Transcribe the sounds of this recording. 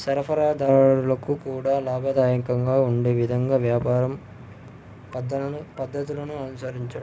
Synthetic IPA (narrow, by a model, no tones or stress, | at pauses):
sɐɾɐpʰɐɾaːd̪aːɽulɐkukuːɽaːlaːbʱɐd̪aːjɐnikɐŋɡaːuɳɖe̞ːʋid̪ʱɐŋɡaːʋjaːpaːɾɐm | pɐd̪ɐupɐd̪ːɐt̪ilɐnuɐnusɐɾiɲt͡ʃɐɽu